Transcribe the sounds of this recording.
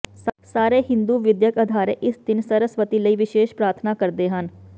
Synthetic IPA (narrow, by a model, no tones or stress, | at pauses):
ssaːɾeːɦɪ̃nd̪uːʋɪd̪jəkəd̪ʱaːɾeːʔɪsd̪ɪnsəɾəsʋət̪iːləiːʋɪʃeːʃpɾaːɾt̪ʰnaːkəɾd̪eːɦən